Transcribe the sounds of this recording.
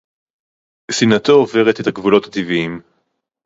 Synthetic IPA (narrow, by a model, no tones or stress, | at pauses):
sinat̪oove̞ʁe̞t̪e̞t̪haɡvulo̞t̪hat̪iviim